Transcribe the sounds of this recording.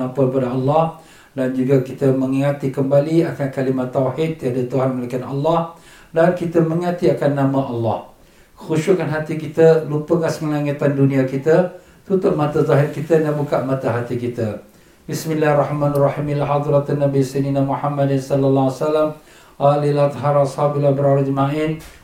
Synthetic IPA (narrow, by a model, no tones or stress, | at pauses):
ampulpadaɑlːɑh | dand͡ʒuɡakit̪əmə̃ŋiŋat̪ikəmbaliakankalimat̪ːawħid̪̚t̪ːiɦadat̪uɦanmalakanɑ̰lːɑh | dankit̪əmə̃ŋiŋat̪iakanːamaʔɑlːɑ̰h | kə̥xuʃʊkanɦat̪ikit̪əlupəkasməŋaŋat̪andunĩakit̪ə | t̪ut̪ʊʔmat̪azɔɦɪrkit̪ədanbukaʔmat̪aɦat̪ikit̪ə | bismilahrˤɑħmãnarˤɑħimilɦad̪ɾat̪anːabisininamuħamːadansɔlalːawasalːam | ʔalilat̪ɦaɾashabilabəɾaɾad͡ʒəmaʔin